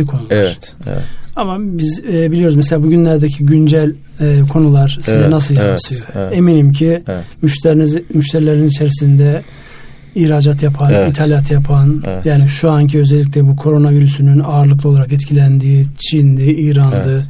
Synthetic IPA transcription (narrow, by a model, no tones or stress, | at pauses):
ikʰo̞nulaɾ̥̰ | amabizbilʲioɾuzmeselʲaːbuɟynlʲæɾd̪ecʰiɟynd͡ʒælʲː | kʰo̞nulˠaɾ̥sizɛnas̬ɯljaat̪ɯjo̞e̞minimcʰimmyʃt̪ʰeɾilʲeɾinizit͡ʃʰe̞ɾisind̪ɛ | ihɾaːd͡ʒat̪japʰanit̪ʰalʲjat̪ʰjapʰanjaːniʃuaɲcʰiøzɛlʲːic̬ʲlʲɛbukʰo̞ɾo̞naviɾysynynaːɾlˠɯk̬lˠɯo̞lˠaɾakɛt̪cʰilʲænd̪iːt͡ʃʰind̪iiːɾand̪ɯ